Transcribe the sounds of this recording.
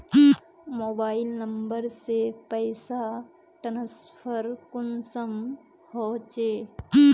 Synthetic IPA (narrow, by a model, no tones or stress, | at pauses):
moːbaːɪlnəmbəɾsepəɪsa | ʈənəspʰəɾkʊnsəm | hɔːt͡ʃeː